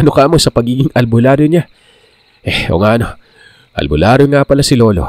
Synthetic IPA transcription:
ɐnokɐʔɐmo̞sɐpɐɡiːɡɪŋɐlbʊlaːɾoɲa | ʔɛo̰ŋaʔɐno̞ | ʔɐ̰lbʊlaːɾoŋapɐlasɪlo̞ːlo

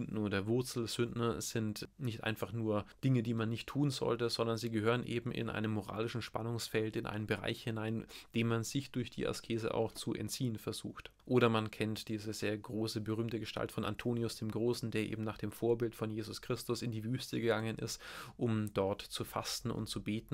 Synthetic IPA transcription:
ndn̩ːdɐvʊɐt͡sl̩z̥ʏndnɐz̥ɪntnɪçtʔa̰ɪnfaχnuːɐd̥ɪŋədiːmanːɪçtʰuːnzɔ̰ltəzɔndɐnziːɡəhøːʁ̞ənʔeːbm̩ʔɪ̰nʔa̰ɪnəmːoʁa̰ːlɪʃn̩ʃpa̰nʊŋsfɛltɪnʔa̰ɪnənbəʁa̰ɪçhɪnaɪnd̥eːmanzɪçd̥ʊɐçd̥ḭːʔa̰skʰeːzə̰ʔa̰ʊxt͡suʔɛ̰ntt͡siːənfɛɐzṵːxtʔoːɾɐmankʰɛntd̥iːzəzeːɐɡʁoːsəbəʁ̞yːmtəɡəʃtʰa̰ltfɔnʔa̰ntʰoːniʊsd̥eːmɡʁoːsn̩deːɐʔḛːbm̩naːχd̥eːmfoːɐbɪltfɔnjeːzʊskʁ̥ɪstʊsɪndiːvyːstəɡəɡaŋənʔɪ̰stʔʊmdɔɐtt͡sufa̰stn̩ʊ̰ntt͡subeːtn̩

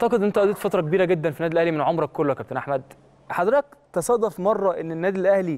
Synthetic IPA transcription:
ʔʕt̪ɑqed̪ʔnent̪æʔæd̪iːt̪fɑt̪ɾˤɑkebiːɾæɡed̪ːænfinæːd̪ilʔæhlimenʕomɾˤɑkːolːokæb̚t̪enʔaħmæd̪ | ħɑd̪ɾet̪æk̚t̪ɑsˤɑd̪ɑfmɑrˤːɑʔenːenːæːd̪ilʔæhli

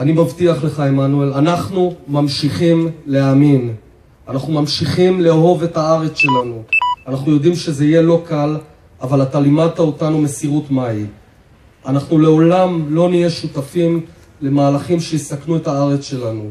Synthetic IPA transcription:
animavtiaχle̞χaimanuelanaχnumamʃiχimleamin | anaχnumamʃiχimleɦo̞ve̞taaʁet͡sʃe̞lanuanaχnujo̞d̪imʃe̞zeije̞lo̞kal | avalatalimad̚taotanume̞siʁutmai | anaχnule̞o̞lamlo̞nijeʃutafim | le̞maːlaχimʃejisaknuetaaʁet͡sʃe̞lanu

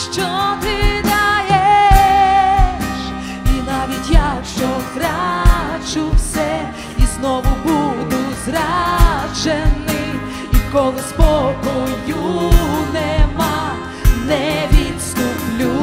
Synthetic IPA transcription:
ʂt͡ʃot̪ɪd̪aje | ʂ | inavʲitʲjaʂozɾat͡ʃufsʲɛ | isnovʊbud̪uzraʐɛnːɨ | ikɔlˠɨspɔkɔjunɛma | nɛvʲit̪st̪uplʲu

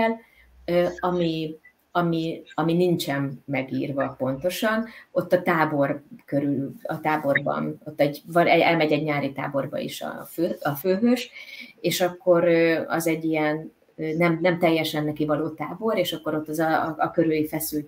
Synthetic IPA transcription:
ɛl | øɒmi | ɒmiɒminint͡ʃɛmːɛɡiːrvɒpo̞n̪t̪o̞ʃɒno̞t̪ːɒt̪aːbo̞rkøɾyllɒ̰t̪aːbo̞rbɒ̰no̞t̪ːɛɟvɒnɛɛlmɛɟɛɟɲaːɾit̪a̰ːbo̞rbɒ̰ḭʃɒ̰føːɒføːɦøʃeːʃɒkːo̞ɾøɒ̰zɛɟːijɛn | ønɛmnɛmt̪ɛjːɛʃɛnːɛkivɒloːt̪aːbo̞ɾeːʃɒkːo̞ɾo̞t̪ːɒzɒːkøɾøːjifɛsylt̪

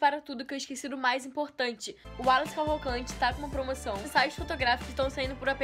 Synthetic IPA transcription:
paɾɐt̪ud̪ʊkewɪʃkesid̪ʊmajzĩpoɾt̪ɐ̃nt͡ʃɪʊalɐ̃skavokɐ̃nt͡ʃɪt̪akõũmɐpɾomosɐ̃w̃ẽsajʊsfot̪oɡɾafi̥kʊzɪʃt̪ɐ̃w̃sãĩnd̪ʊpʊɾapẽ

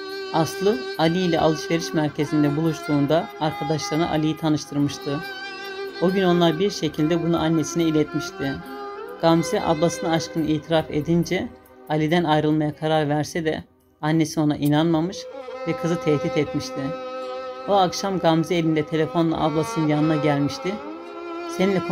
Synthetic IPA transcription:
aslˠɯalʲiilʲɛʔa̰lˠɯʃve̞ɾiʃmæɾcʰe̞zind̪ɛbulˠuʃt̪ʰuːnd̪aːɾkʰad̪aʃlˠaɾɯnɯʔa̰lʲijit̪ʰanɯʃt̪ʰɯɾmɯʃt̪ʰɯ | oɟyno̞nlˠaɾbiɾʃe̞cʰilʲd̪ɛbunṵʔanːe̞sinɛilʲɛt̪miʃt̪ʰɪɡ̥amzɛʔa̰blˠasɯnɯaʃkʰɯnɯiːt̪ʰiɾafe̞̰d̪ind͡ʒɛ | alʲid̪ænajɾɯlˠmajakʰaɾaɾvæɾsɛd̪ɛ̰ | anːe̞sio̞na̰ʔinanmamɯʃvɛkʰɯzɯt̪ʰɛht̪ʰit̪ɛt̪miʃt̪ʰɪ | oakʃamɡamzɛe̞lʲind̪ɛt̪ʰe̞lʲe̞fo̞nlˠa̰ʔablˠasɯnɯnjanɯnaɟælʲmiʃt̪ʰɪ | seninʲːɛkʰ

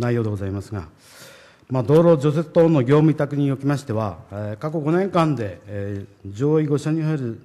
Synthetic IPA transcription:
naijo̞ːd̪e̞ɡozaimasɨɡa̰ | mad̪o̞ːɾo̞d͡ʑo̞se̞t͡sɨ̥t̪oːnːo̞ɡʲo̞ːmɯ̟it̪akɯ̟ɲ̟ijo̞kʲimaɕi̥t̪e̞βaekako̞ɡo̞nẽ̞ŋkãnd̪e̞ | d͡ʑo̞ːiɡo̞ɕaɲ̟ihaeɾɯ̟

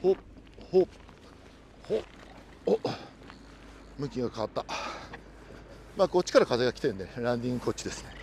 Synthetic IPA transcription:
hoho | ho | mɯ̟kʲĩŋɡakaβat̪ːa | maːɡo̞t͡ɕi̥kaɾakazeɡakʲi̥t̪ẽ̞nd̪eɾãnd̪ʲĩŋɡɯko̞t͡ɕːid̪e̞sɨ̥ne̞

